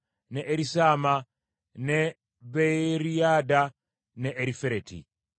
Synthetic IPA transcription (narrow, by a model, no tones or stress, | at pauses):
neʔeɾisaːma | ne | βeɾiada | neʔːɾifeɾetḭ